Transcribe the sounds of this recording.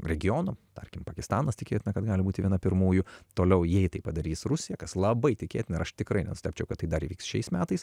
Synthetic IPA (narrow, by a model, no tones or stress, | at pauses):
ɾʲɛɡʲɪjoːnot̪ɐrʲkʲɪmpɐkʲɪst̪ɑːnɐst̪ʲɪkʲḛːt̪ʲɪnɐkɐt̪ɡɑːlʲɪbuːt̪ʲɪʋʲiɛnɐpʲɪɾmuːjʊt̪oːlʲɛʊjɛɪt̪ɐɪpɐd̪ɐɾʲiːsrʊsʲɪjɛkɐslˠɐbɐɪt̪ʲɪkʲḛːt̪ʲɪnɐɪɾɐʃt̪ʲɪkɾɐɪnʲɛ̰nsʊst̪ʲɛæːpʲt͡ʃʲɛʊkɐt̪ːɐɪd̪ɐɾiːʋʲiːksʃʲɛɪsmʲæːt̪ɐɪs